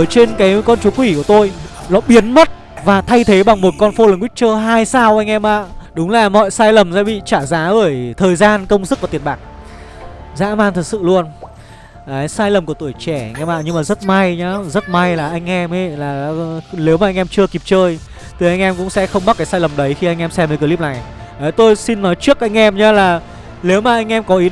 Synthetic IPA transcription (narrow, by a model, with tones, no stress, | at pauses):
t͡ɕe˧nkaː˨˦jkɔ˧nt͡ɕu˨˦kwi˧˩ku˧˩ət̪o˧jlɔ̰˧˨˦ɓi˨˦ənmə˦˥t̚ | vaː˨˩t̪ʰa˧jt̪ʰe˨˦ɓa˨˩ŋmo˨˩t̚kɔ˧nfo˧lə˨˩ŋkwi˦˥k̚t͡ɕəː˧ɦaː˧jsaː˧wʔa˧jŋ̟ʔɛ˧mʔa̰ː˧˨ɗʊ˨˦ŋ͡mlaː˨˩mɔ̰˧˨jsaː˧jlə˨˩mzaː˧˥ɓḭ˧˨t͡ɕaː˧˩zaː˨˦ɓəː˧˩jt̪ʰəː˨˩jzaː˧nkə˧wŋ͡mzɨ˦˥k̚vaː˨˩t̪i˨˩ən̚ɓaː˨˩k̚ | za̰ː˧˥maː˧nt̪ʰɨ˨˩t̚sɨ̰˧˨lu˧ən | aː˨˦jsaː˧jlə˨˩mkət̪u˧˩əjt͡ɕɛ˧˩a˩ŋ̟ʔɛ˧mʔa̰ː˧˨ɲɨ˧ŋmaː˨˩zə˦˥t̚ma˧jɲaː˨˦zə˦˥t̚ma˧jlaː˨˩ʔa˧jŋ̟ʔɛ˧mʔə˨˧˦laː˨˩ne˨˦wmaː˨˩ʔa˧jŋʔɛ˧mt͡ɕɨ˧əki˨˩p̚t͡ɕəː˧j | t̪ɨ˨˩jʔa˧jŋʔɛ˧mkʊ̰˧˥ŋ͡msɛ̰˧˥xə˧wŋ͡mɓa˦˥kaː˨˦jsaː˧jlə˨˩mɗə˨˦jxi˧a˧jŋ̟ʔɛ˧msɛ˧məː˨˦kəː˧li˦˥p̚na˨˩jʔəː˨˦jt̪o˧jsi˧nːɔ˨˦jt͡ɕɨ˦˥ək̚ʔa˧jŋ̟ʔɛ˧mɲaː˨˦laː˨˩ | le˨˦wmaː˨˩ʔa˧jŋ̟ʔɛ˧mkɔ˨˦ʔi˨˦